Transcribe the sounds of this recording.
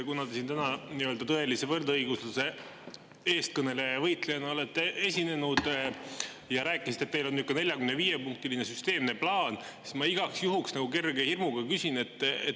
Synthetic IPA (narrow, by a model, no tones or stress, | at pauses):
kunɑt̪esint̪ænɑniøld̪ɑt̪ɤe̞lise̞vɤrd̪ɤjɡ̥usluse̞ | e̞ːst̪kɤne̞le̞vɤjt̪lejɑnɑo̞le̞t̪ːeesʲine̞nud̪̥ | jɑɾæːkːˑisit̪e̞t̪mejlo̞nːykːˑɑne̞lʲjɑkymneviːjepuŋk̚t̪iline̞syst̪e̞ːmne̞plɑːnsi̥smɑiɡ̥ɑksjuɦuksnɑɡ̥uke̞rɡehirmuɡ̥ɑkysine̞t̪ːˑḛt̪